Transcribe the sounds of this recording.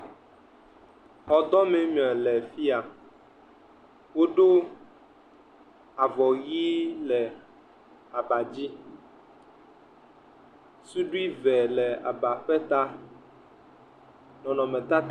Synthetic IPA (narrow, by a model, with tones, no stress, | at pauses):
hɔ˨d̪ɔ˦mɛ̃˨mĩ˨ɛ˨lɛ˨fi˦a˨ | wo˦ɖo˦ | a˨vɔ˨ɣi˦lɛ˨ | a˨ba˨d͡ʑi˦ | su˦ɖu˦i˦vɛ˨lɛ˨a̰˨ba˨ɸɛ˦t̪a˦ | nɔ̃˨nɔ̃˨mɛ̃˨t̪a˦t̪